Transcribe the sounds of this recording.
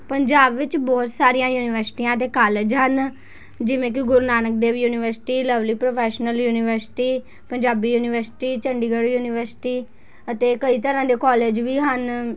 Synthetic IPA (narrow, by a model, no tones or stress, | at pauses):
pəɲd͡ʒaːbʋɪt͡ʃbɔːt̪saːɾijãːjuːnɪʋəɾsɪ̥ʈiːãːət̪̬eːkaːled͡ʒɦən | d͡ʒɪʋẽːk̬ɪɡʊɾnaːnək̚d̪eːʋjuːnɪʋəɾsɪ̥ʈiːləʋliːpɾopʰɛːʃnəljuːnɪʋəɾsɪ̥ʈiː | pəɲd͡ʒaːbiːjuːnɪʋəɾsɪ̥ʈiːt͡ʃəɳɖiːɡəɽjuːnɪʋəɾsɪ̥ʈiː | ət̪eːkəiːt̪əɾãːd̪eːkɔːleːd͡ʒʋiːɦən